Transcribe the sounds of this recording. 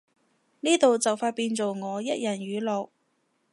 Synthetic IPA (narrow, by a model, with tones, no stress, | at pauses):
niː˥t̪o˨wt͡sɐ˨wfaː˧t̚piː˧nt͡so˨wŋɔː˨˧jɐ˥t̚jɐ˨˩nɥyː˨˧lɔː˨k̚